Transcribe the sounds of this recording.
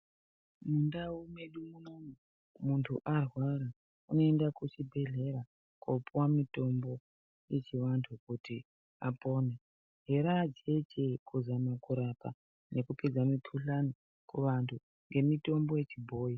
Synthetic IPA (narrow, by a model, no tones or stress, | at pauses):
mundaume̞ɗumuno̞mu | muntʰuʔarwaɾa | uno̞endakut͡ʃibʱe̞ɮe̞ɾa | kopuwamito̞mbo̞ | je̞t͡ʃiʋantʰukuti | apo̞ːne | ɦeɾad͡ʒe̞t͡ʃekuzamakuɾapa̰ | ne̞kupid͡zamikʰuɬani | kuʋantʰu | ŋɡe̞mito̞mbo̞je̞t͡ʃibʱo̞ːji